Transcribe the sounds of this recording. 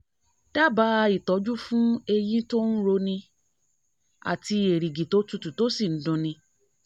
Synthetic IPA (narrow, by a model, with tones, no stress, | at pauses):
d̥a˦ba˨˦˧i˦˨tɔ˨˦d͡ʒu˦fũ˦e˧j̃ĩ˦to˦n̩˦ɾo˧nĩ˧ | a̰˨ti˧e˨ɾi˨ɡi˨to˨˦tu˦tu˨to˨˦si˦˨n̩˨˦dũ˧nĩ˧